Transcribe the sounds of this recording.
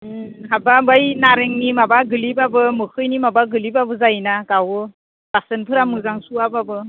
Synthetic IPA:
ɦababajnaɾeŋnimabaɡɯlipabɯmɯkʰɯjnimabaɡɯlipabɯzajnakawɯ | b̥asɯnpʰɯɾamɯzaŋsuababɯ

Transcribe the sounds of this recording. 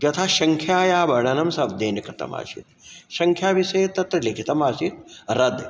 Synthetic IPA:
d͡ʒɐt̪ʰaʃɐŋkʰjaːjaːbɐɾɳɐnɐmsɐbd̪eːnɐkɾɪt̪ɐ̰ma̰ːʃḭt̪ʃɐŋkʰjaːʋisɐjt̪ɐt̪ɾɐlikʰit̪ɐmaːʃit̪̚ɾɐd̪

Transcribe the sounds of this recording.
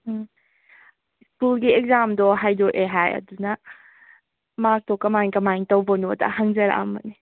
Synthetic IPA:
skulɡiek̚zamdɔɦajdɔʔeɦajɐ̰dunɐ | mak̚tɔkɐmajŋkɐmajŋtɐwbonoɐda̰ɦɐŋzɐɾa̰ʔa̰mɐni

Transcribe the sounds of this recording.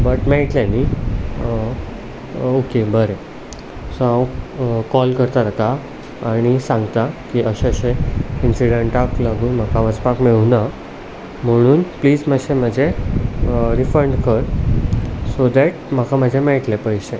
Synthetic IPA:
bəʈmeɭʈleni | okebəɾe | səwkɔlkəɾt̪aɾat̪aː | ɽ̃isãŋɡt̪akiʔəɕeɕẽinsiɽeɳʈaklaɡuːnm̤əkaʋəspakmeɭuna | m̤əɽ̃uːnpliːd͡zməɕeməd͡ʑʱe | ɾifəɾɳɖkəɾ | sod̪ɛʈ̚m̤əkaməd͡ʑʱemeɭʈlepəjse

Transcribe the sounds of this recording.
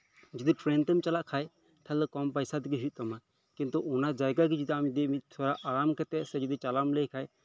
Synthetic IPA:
d͡ʒid̪iʈɾɛnt̪ɛmt͡ʃalaʔkʰaj | t̪ʰɛlɛkɔmpajsat̪iɡiɦut̪̚ˀt̪ɔma | kint̪uʔɔnad͡ʒajɡaɡid͡ʒid̪iamid̪imit̪̚t̪ʰɔɾaʔaɾamkɛt̪ɛsɛd͡ʒid̪it͡ʃalamlɛjkʰaj

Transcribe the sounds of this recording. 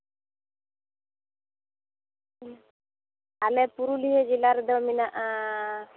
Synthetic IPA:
alɛpuɾuliɦed͡ʒilaɾd̪ɔminaʔa

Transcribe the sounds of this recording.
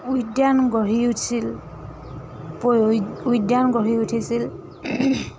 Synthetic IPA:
ujdjanɡɔɹiutʰsil | pojujdjanɡɔɹiutʰisil

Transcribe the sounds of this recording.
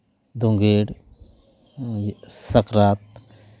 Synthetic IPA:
d̪õŋɡeːɽ | sɐkɾaːt̪̚

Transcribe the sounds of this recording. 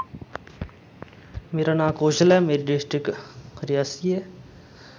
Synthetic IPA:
meːɾanãːkoːd͡ʒəlɛmeːɾiɖɪsʈɾɪkɾɪjaːsie

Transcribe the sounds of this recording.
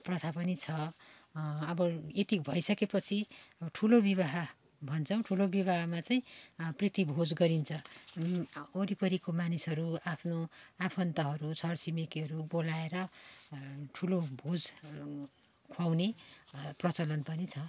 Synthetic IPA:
prʌt̪ʰapʌnit͡sʰʌ | ʌbʌet̪ikbʱʌjsʌkepʌt͡sʰiʌʌʈʰulobiβaɦa | bʱʌnt͡sʰʌw̃ʈʰulobiβaɦamat͡saĩprit̪ibʱod͡zɡʌɾint͡sʰʌ | oɾipʌɾikomanisɦʌɾuapʰnoapʰʌnt̪ʌɦʌɾusʰʌrsimekiɦʌɾubolaeɾʌ | ʈʰulobʱod͡z | kʰwawneprʌt͡sʌlʌnpʌnit͡sʰʌ

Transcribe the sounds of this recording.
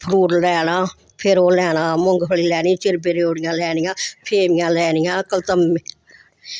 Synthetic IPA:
pʰɾuːɾlɛːnaː | pʰɪɾoːlɛːnãːmʊŋɡpəɭiːlɛːnĩːt͡ʃɪɾbeɾeoːɽijãːlɛːnɪjãːpʰeːmɪjãːlɛːnijãːkəlt̪əmːe

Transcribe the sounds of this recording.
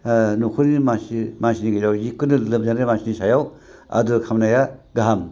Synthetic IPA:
nukʰunimasimansiniɡezawjikːɯnɯlɯmzanɾemasinisajaw | ɐ̰dukʰamnajaɡaɦam

